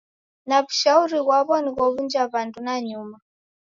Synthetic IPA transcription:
naβu̥ʃauɾikwaβɔnikɔβund͡ʒaβandunaɲuːma

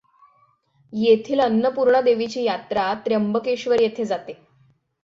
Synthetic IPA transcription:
jet̪ʰiːlənːəpuɾɳəd̪eʋit͡ɕiːjat̪ɾat̪ɾjəmbəkeɕʋəɾjet̪ʰed͡zat̪e

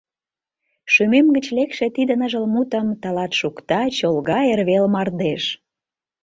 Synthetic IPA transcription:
ʃymemɡət͡ɕlekʃet̪id̪ə̆nəʒəlmut̪əmt̪ɑlɑt̪ʃukt̪ɑt͡ɕolɣɑerβelmɑrd̪eʃ

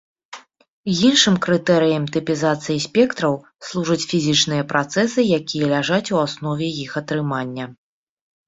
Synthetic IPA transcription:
jinʂɨmkɾɨt̪ɛɾɨjɐmt̪ɨpʲizat̪sɨjisʲpʲɛkt̪ɾɐw | slˠuʐɐt͡sʲfʲizʲit͡ʂnɨjɐpɾʔat̪sɛsɨjakʲijɐlʲaʐat͡sʲuasnɔvʲɛjixɐt̪ɾɨmanʲːɐ

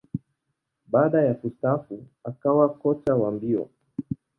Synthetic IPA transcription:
ɓaːɗajafustafu | akawakɔt͡ʃawambiɔ̰

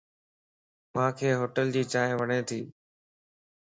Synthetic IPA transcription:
mãːkʰeːɦoːʈəld͡ʑiːt͡ɕaːɦʋəɳẽːt̪ʰiː

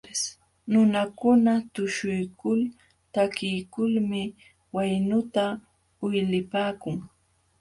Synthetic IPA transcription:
nʊnakʊnat̪ʊʃʊjkʊl | t̪akɪjkʊlmɪ | wajnʊt̪a | ʊjlɪpaːkʊŋ

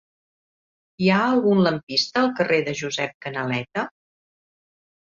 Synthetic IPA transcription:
iaəlˠɣunləmpist̪əːlˠkərʔeðəʒuzɛp̚kənəlɛt̪ə

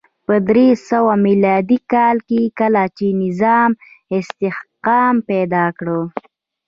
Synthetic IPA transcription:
pəd̪ɾesəwamilɑd̪ikɑːlkekəlat͡ʃenɪzɑmɪst̪ɪhqɑmpɛd̪ɑkɽə

